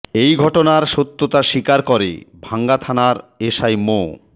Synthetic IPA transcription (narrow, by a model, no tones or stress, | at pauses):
ejɡʱɔʈonaɾʃot̪ːot̪aʃikaɾkɔɾḛbʱaŋɡat̪ʰanaɾeʃajmo